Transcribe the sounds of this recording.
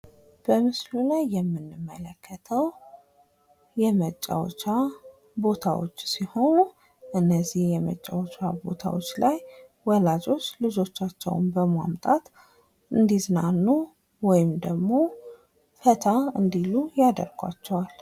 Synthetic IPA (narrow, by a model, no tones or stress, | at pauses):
b̥əmɨslulajːɛmːɨnːɨmːələkːət̪ʰəw | jɛmət͡ʃʼːa̰wt͡ʃa | bo̞t̪ʰa̰wo̰t͡ʃːsiho̞nu | ʔɨnːəzːihjɛmə̰t͡ʃʼːawt͡ʃabo̞̰t̪ʰa̰wo̰t͡ʃːlaj | wɔlad͡ʒʼo̞t͡ʃːlɨd͡ʒo̞t͡ʃːat͡ʃːɛ̰w̰nbəma̰mt̪ʼat̪ | ɨnd̪izɨnanːu | wɔjɪmd̪əɡmo̞ | fət̪ʰaɨnd̪ilujad̪ə̰ɾɡʷa̰t͡ʃːɛwal